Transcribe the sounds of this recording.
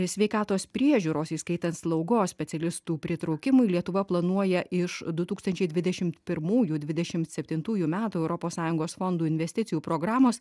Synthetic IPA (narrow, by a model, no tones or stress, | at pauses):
sʲʋʲɛɪkɑːt̪oːspʲɾʲiɛʒʲuːɾoːsiskɐɪt̪ɐnt̪slˠɒʊɡoːssʲpʲɛt̪sʲɛlʲɪst̪uːpʲɾʲɪt̪ɾɒʊkʲɪmʊɪlʲiɛt̪ʊʋɐplˠɐnuɔjɛɪʃd̪ʊt̪uːkst̪ɐnʲt͡ʃʲɛɪd̪ʲʋʲɪd̪ʲɛʃʲɪmt̪pʲɪɾmuːjuːd̪ʲʋʲɪd̪ʲɛʃʲɪmt̪sʲɛpʲt̪ʲɪnt̪uːjuːmʲæːt̪uːɛʊɾɔpoːssɑːjʊŋɡoːsfond̪uːɪnʲʋʲɛsʲt̪ʲɪt̪sʲɪjuːpɾoːɡɾɑːmoːs